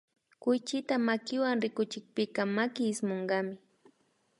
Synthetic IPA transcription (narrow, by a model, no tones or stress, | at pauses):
kʊjt͡ʃɪt̪amakɪwaŋɾɪkʊt͡ʃɪk̚pɪkɑmakɪːsmoɴɢɑmɪ